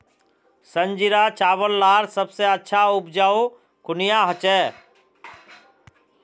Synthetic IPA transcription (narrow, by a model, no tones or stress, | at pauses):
səɲd͡ʒɪɾaːt͡ʃaːʋəllaːɾsəbseətːʃʰaʊp̚d͡ʒaːo | kʊnɪjaːɦət͡ʃɛː